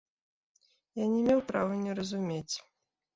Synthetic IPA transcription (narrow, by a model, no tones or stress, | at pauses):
janʲɛmʲewpɾavɨnʲɛɾɐzumʲet͡sʲ